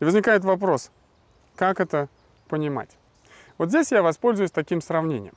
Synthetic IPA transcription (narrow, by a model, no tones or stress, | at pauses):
ɪvəzʲnʲɪkajɪt̪vɐp̬ɾo̞s | kakɛt̪ə | pənʲɪma̰tʲ | vot̪zʲdʲesʲjavɐspo̞lʲzʊjʊsʲt̪ɐkʲimsɾɐvnʲenʲɪ̰jəm